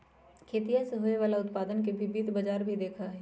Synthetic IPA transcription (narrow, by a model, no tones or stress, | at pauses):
kʰeːt̪ijaseɦoːeʋaːlaʊt̪paːd̪ənk̬ebʱɪbit̪bɐd͡ʒaːɾbʱid̪eːkʰaɦɛː